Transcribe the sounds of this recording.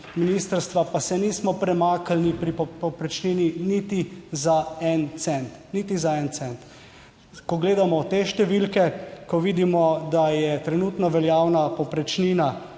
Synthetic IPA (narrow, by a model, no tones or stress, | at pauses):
miniːst̪əɾst̪ʋapasɛniːsmɔpɾɛmaːkalnipɾipɔpɔpɾɛt͡ʃniːninit̪izaɛnt̪sɛnt̪nit̪izaɛnt̪sɛnt̪ | kɔɡleːd̪amɔt̪eːʃt̪ɛʋilkɛkɔʋiːd̪imɔd̪ajɛt̪ɾɛnuːt̪nɔʋɛljaːwnapɔpɾɛt͡ʃniːna